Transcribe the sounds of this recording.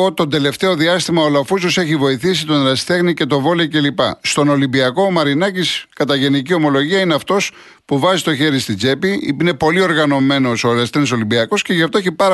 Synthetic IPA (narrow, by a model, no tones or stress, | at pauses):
ot̪o̞nd̪e̞le̞ft̪e̞o̞ðiɐst̪imɐolɐfusose̞çivo̞iθisit̪o̞nɾɐst̪e̞ɣnice̞t̪o̞vo̞lece̞lipɐ̰st̪o̞no̞limbiɐko̞mɐɾinɐciskɐt̪ɐʝe̞nicio̞mo̞lo̞ʝiɐineɐft̪o̞s | puvɐzit̪o̞çe̞ɾist̪id͡ze̞piine̞po̞lio̞ɾɣɐno̞me̞no̞solest̪eneso̞limbiɐko̞sce̞ʝɐft̪o̞eçipɐɾɐ